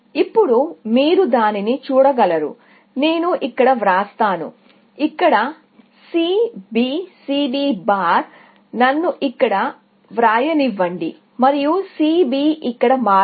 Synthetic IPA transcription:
ipːuɽumiːɾud̪aːninit͡ʃuːɽɐɡɐlɐɾṵ | ne̞ːnuʔikːɐɽɐʋɾaːst̪aːnṵ | ikːɐɽɐ | siːbiːsiːbiːbaːɾ | nɐnːuʔikːɐɽɐ | ʋɾaːjɐniʋːɐɳɖḭ | mɐɾijusiːbiːʔikːɐɽɐmaː

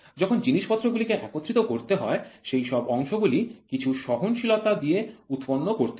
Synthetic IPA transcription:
d͡ʑɔkʰond͡ʑiniʃpɔt̪ːɾoɡulikeʔakot̪ːɾit̪okoɾt̪eɦɔeʃejʃɔbɔŋʃoɡulikit͡ɕʰuʃɔɦonʃilot̪ad̪ieut̪ponːokoɾt̪e

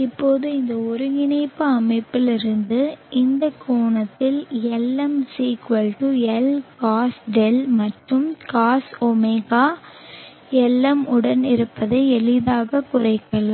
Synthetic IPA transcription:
ɪpːoːðɯɪnd̪ɐɔɾɯŋɪɳɐɪpːɯɐmɐɪpːɪlɪɾɯnd̪ɯʔɪnd̪ɐkʰːoːɳɐt̪ːɪlɛlːɐmsiːkʋɐlʈuɛlkaːsɖɛlmɐʈrɯmkaːsɔmɛːɣaː | ɛlːɐmʊɽɐnɪɾɯpːɐðɐɪɛlɪðaːɣɐkʊrɐɪkːɐɭɐ

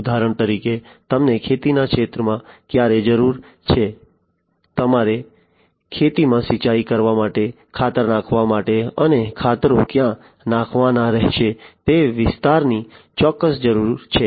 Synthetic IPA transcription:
d̪ʱaɾəɳt̪əɾiket̪əmnekʰet̪inakʃet̪ɾəmãkjaɾed͡ʒəɾuɾ | t͡ʃʰe | t̪əmaɾe | kʰet̪imãsit͡ʃaikəɾʋamaʈe | kʰat̪əɾnãkʰʋamaʈeənekʰat̪ɾõkjã | nãkʰʋanaɾɛɦʃet̪eʋɪst̪aɾni | t͡ʃɔkːəsd͡ʒəɾuɾt͡ʃʰe

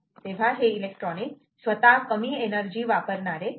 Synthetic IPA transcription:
t̪ebʱaɦeilek̚ʈɾɔnik | sʋət̪akəmienəɾd͡ʒiʋapəɾnaɾe

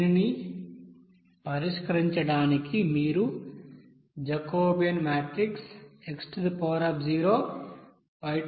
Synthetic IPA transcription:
ini | pɐɾiʂkɐɾiɲt͡ʃɐɽaːnikimiːɾu | d͡ʒɐkoːbijɐnmaːʈɾikseksʈd̪ipɔːɾɐpd͡ʒiːɾoː | pɐj

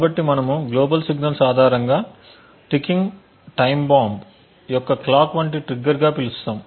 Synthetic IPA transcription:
kaːbɐʈːimɐnɐmuɡloːbɐlsiɡnɐlsaːd̪ʱaːɾɐŋɡaː | ʈikːiŋɡ | ʈɐjmbaːmb | jɔkːɐklaːkʋɐɳʈiʈɾiɡːɐɾɡaːpilust̪aːm

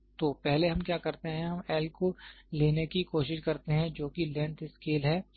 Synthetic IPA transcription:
t̪oːpɛɦleɦɐ̃mkjaːkɐɾt̪eɦɛ̃ɦɐmɛːlkoleːnekikoːʃɪʃkɐɾt̪eɦɛ̃d͡ʒoːkilɛ̃ːɳt̪ɪskeːlɦɛː

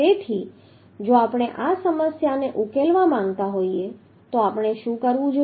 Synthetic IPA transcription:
et̪ʰi | d͡ʒoapɽ̃eʔasəməsjaneʔukelʋamãŋɡt̪aɦoie | t̪oapəɽ̃eʃũkəɾʋũd͡ʒo

